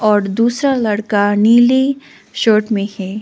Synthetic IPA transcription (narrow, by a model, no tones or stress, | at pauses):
ɔːɾd̪uːsɾalɐɽkaniːli | ʃoːʈmẽhɛː